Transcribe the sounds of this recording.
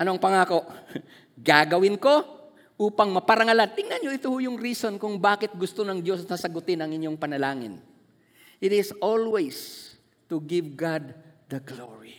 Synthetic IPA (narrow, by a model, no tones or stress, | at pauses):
ʔɐnoŋpɐŋaːko̞ʔ | ɡaːɡɐwɪnko̞ | ʔuːpɐŋmɐpɐɾɐŋɐlant̪ɪŋnɐnɲoʔɪt̪ohʊjʊŋɾiːso̞nkʊŋbaːkɪt̪̚ɡʊst̪o̞nɐŋd̪jo̞snɐsɐɡʊt̪ɪnɐŋɪɲjo̞ŋpɐnɐlaːŋɪ̰n | ʔɪt̪ɪsolwɛjs | t̪ʊɡɪvɡad̪̚d̪ɐɡlo̰ɹi